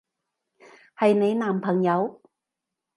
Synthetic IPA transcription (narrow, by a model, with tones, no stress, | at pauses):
hɐ˨jne˨˧jnaː˨˩mpʰɐ˨˩ŋjɐ˨˧w